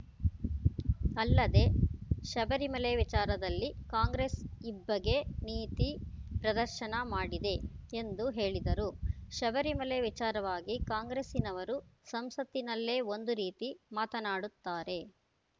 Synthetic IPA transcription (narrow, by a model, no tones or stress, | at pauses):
ɐlːɐd̪e̞ʃɐbɐɾimɐleʋit͡ʃaːɾɐd̪ɐlːikaːŋɡɾesibːɐɡe̞niːt̪ipɾɐd̪ɐɾʃɐnɐmaːɽid̪e̞end̪uɦe̞ːɭid̪ɐɾuʃɐbɐɾimɐleʋit͡ʃaːɾɐʋaːɡikaːŋɡɾesinɐʋɐɾusɐmsɐt̪ːinɐlːe̞ːo̞nd̪uɾiːt̪imaːt̪ɐnaːɽut̪ːaːɾe̞